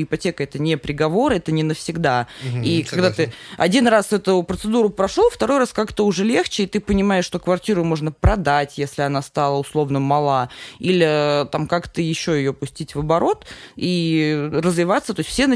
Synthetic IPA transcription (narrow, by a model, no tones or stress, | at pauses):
ɪpɐtʲekəɛt̪ənʲepɾʲɪɡɐvo̞ɾɨɛt̪ənʲɪnəfsʲɪɡd̪aikɐɡd̪at̪ɨɐdʲinrasɛt̪ʊjʊpɾət̪sɨd̪uɾʊpɾɐʂlˠoft̪ɐɾo̞jraskakt̪əʊʐɛlʲe̞xt͡ɕɪːt̪ɨpənʲɪmajɪʂt̪o̞kvɐrtʲiɾʊmo̞ʐnəpɾɐd̪atʲjesʲlʲɪɐnast̪alˠəʊslˠo̞vnəmɐlˠailʲɪt̪amkakt̪əjɪɕːojɪjopʊsʲtʲitʲvəbɐɾo̞t̪irəzvʲɪvat̪sət̪o̞ɪsʲfsʲenə